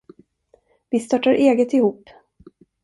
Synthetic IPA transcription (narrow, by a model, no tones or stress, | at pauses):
vɪst̪ɑːʈːaɾʔeːɡət̪ɪhuːpː